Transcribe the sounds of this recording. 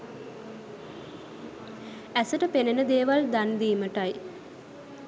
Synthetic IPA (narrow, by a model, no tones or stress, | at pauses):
æsəʈəpenənəd̪eːʋald̪and̪iːməʈaj